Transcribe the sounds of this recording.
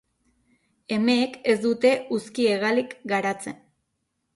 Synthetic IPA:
e̞me̞ːke̞zd̪ut̪e̞uskie̞ɣalikɡaɾat͡se̞̰n

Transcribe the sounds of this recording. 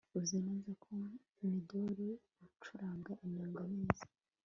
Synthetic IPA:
uzinazakʰo | midoɾi | ut͡ʃuɾaːŋɡaʔinaːŋɡaneːzḁ

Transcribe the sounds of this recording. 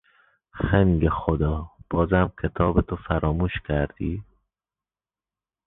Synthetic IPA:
xæŋɡexod̪ɒːb̥ɒːzæmkʰet̪ʰɒːbet̪ʰofæɾɒːmuːʃkʲʰæɾd̪̥iː

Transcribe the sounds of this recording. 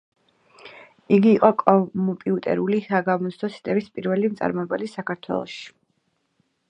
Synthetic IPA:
iɡiːqʼɔkʼɔmpʼiut̪ʼɛ̰ɾulisaɡamɔt̪st̪ʰɔsi̥t̪ʼɛbispʼiɾvɛlimt̪sʼa̰ɾmɔɛbalisakʰaɾt̪ʰwɛ̰lˠɔ̰ʃi̥

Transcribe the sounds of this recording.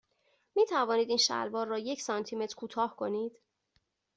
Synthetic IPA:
miːt̪ʰævɒːniːd̪iːnʃæ̰lvɒːɾːɒːje̞cʰsɒnt̪ʰime̞t̪ʰɾkʰuːt̪ʰɒːhkʰo̞niːd̪̥

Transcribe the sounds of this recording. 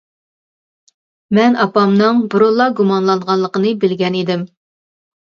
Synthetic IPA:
mɛnɑpɑmnɨŋbʊɾolˠːɑɡumɑnlˠɑnʁɑnlˠəqənɨbɪlɡʲɛnid̪ɪm

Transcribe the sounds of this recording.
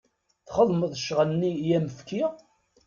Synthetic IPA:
θχəðˤməðˤʃʁənnːijæməfkʰi

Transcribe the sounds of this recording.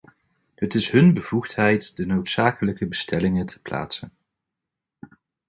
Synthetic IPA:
hətɪsɦɵnbəv̥uχtɦɛjtdənowtsaːkələkəbəstʰɛlɪŋətʰə̥pla̰ːtsən

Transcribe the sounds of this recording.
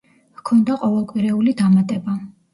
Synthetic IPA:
kʰɔnd̪aqʼɔvɛlˠkʼwiɾɛulid̪amat̪ʼɛba

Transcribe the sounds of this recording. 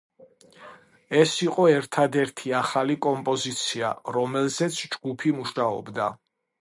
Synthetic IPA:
ɛsiqʼɔɛɾt̪ʰad̪ɛɾt̪ʰiaχalikʼɔmpʼɔzit̪sʰia̰ɾɔmɛlzɛt̪sʰd͡ʒɡupʰimuʃaɔ̰bd̪a

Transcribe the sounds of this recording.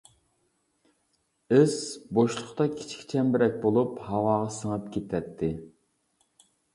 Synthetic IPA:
ɪzboʃlˠʊχt̪ɑkʲʰi̥t͡ʃʰkʲi̥t͡ʃʰɛmbɪɾɛk̚ʲbolˠuphɑwɑːʁɑsəŋɑp̚kʲʰet̪ʰɛt̪ʰːɪ

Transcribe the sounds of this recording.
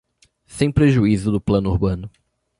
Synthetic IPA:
sẽj̃pɾeʒuizʊd̪ʊplɐ̃nʊuɾbɐ̃nʊ

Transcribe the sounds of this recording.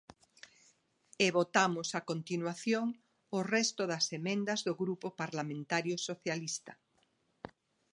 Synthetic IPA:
eβot̪amʊsakont̪inwaθjoŋ | ʊrɛst̪ʊðɐsemẽnd̪ɐzðoɣɾupopaɾlamẽnt̪aɾjʊsoθjalist̪ɐ̥

